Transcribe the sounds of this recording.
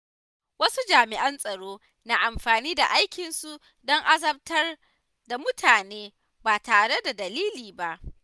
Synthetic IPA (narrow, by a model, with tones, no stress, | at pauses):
wɐ˦su˦d͡ʒaː˨mɪ˨ʔɐ˦nsʼɐ˨ɽoː˦ | na˨ʔa˨mɸaː˨niː˦da̰˨ʔa˦jkʲɪ˨nsu˦ʔ | dɔ˦ŋʔa˦zɐ˦b̚tɐ˦r | da˨mʊ˦tʰaː˨neː˦ | baː˨taː˨ɽe˦da˨dɐ˨liː˦liː˨ba˦ʔ